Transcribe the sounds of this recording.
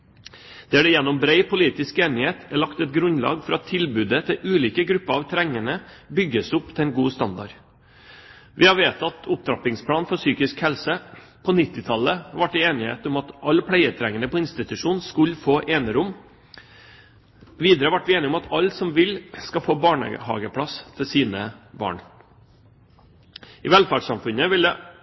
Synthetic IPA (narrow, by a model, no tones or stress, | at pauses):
d̪̥ɛæɖɛjɛnːɔmbɾeɪpʊliːt̪ɪskeːnɪheːt̪æɭɑkt̪ɛt̪ɡɾʉnlɑ̰ːɡfɔɾɑt̪ʰːɪlbʉːd̪ət̪ʰɪlʔʉːliːkəɡɾʉpːəɾɑʋt̪ʰɾɛŋːəɳə | bʏɡːəsʊpːt̪ʰɪɛɪnɡuːst̪ɑnd̪ɑ̰ɾ | ʋʔɪhɑɾʋeːt̪ʰɑt̪ʊp̚d̪ɾɑpɪŋspʰlɑːnfɔsyːkɪskhɛlsəpʰɔnɪt̪ːɪt̪ʰɑləʋɑʈːɪeːnɪhḛːt̪ʊmɑt̪ʔɑlːpʰleɪət̪ʰɾɛŋːənəpɔɪnst̪ɪt̪ʉʂuːnskʉlːfoːʔeːnəɾʊm | ʋiːd̪əɾəʋæʈːʋɪeːnɪʊmɑt̪ʰɑlsɔmʋɪlskɑfoːbɑːɳə̰hɑ̰ːɡəpʰɽɑst̪ʰɪsiːnəbɑ̰ːɳ | ʔɪʋɛlfɑɖsɑmfʉnəʋɪld̪ɛ